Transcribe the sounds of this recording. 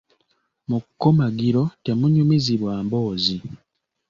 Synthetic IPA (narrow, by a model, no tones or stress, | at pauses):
mukːomaɡiɾo̞te̞muɲumiziβwaːmbo̞ːzi